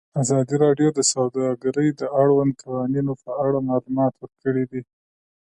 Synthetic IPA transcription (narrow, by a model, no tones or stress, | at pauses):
azɑd̪iɾɑɖjod̪əsawd̪ɑɡaɾəjd̪əaɽwand̪̚kʰawɑninopəaɽamɑlumɑt̪wəɾkəɽid̪i